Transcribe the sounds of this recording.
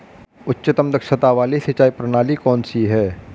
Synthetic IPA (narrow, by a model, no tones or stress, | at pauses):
ʊtːʃɪt̪əmd̪ɐkʃət̪aʋaːlisɐt͡ʃaːipɾənaːlikɔːnsiɦɛː